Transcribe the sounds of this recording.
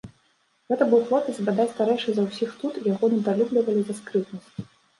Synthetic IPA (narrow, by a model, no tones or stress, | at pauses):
ɣɛt̪ɐbɨwxlˠɔpʲɨzbad̪at͡sʲst̪aɾɛjʂɨzɐwsʲixt̪ut̪jaɣɔnɨd̪alʲublʲivɐlʲizaskɾɨt̪nɐsʲ